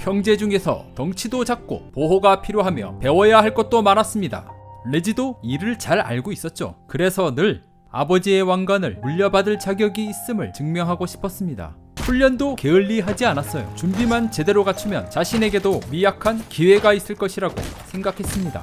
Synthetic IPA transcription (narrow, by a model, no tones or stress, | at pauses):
çjʌŋd͡ʑe̞d͡ʑuŋe̞sʰʌ̰tʌŋt͡ɕʰidod͡ʑak̚k͈o̰poɦoɡapʰiɾjoɦamjʌ̰pe̞wʌjaɦaɭk͈ʌt̚t͈omaɾas͈ɯmɲida̰le̞d͡ʑidoiɾɯɭt͡ɕaɾa̰ɭɡois͈ʌt̚t͡ɕ͈o̰kɯɾe̞sʰʌnɯɭ | a̰bʌd͡ʑie̞waŋɡwanɯɭmuʎːʌbadɯɭt͡ɕaɡjʌɡiːs͈ɯmɯɭt͡ɕɯŋmjʌŋɦaɡoɕʰi̥pʰʌs͈ɯmɲida̰ | ɸuʎːʌndoke̞ɯʎːiɦad͡ʑianas͈ʌjo̰t͡ɕumbimant͡ɕe̞de̞ɾoɡat͡ɕʰumjʌ̰nt͡ɕaɕʰine̞ɡe̞domijakʰankiwe̞ɡais͈ɯɭk͈ʌɕʰiɾaɡo̰sʰe̞ŋɡakʰe̞s͈ɯmɲida̰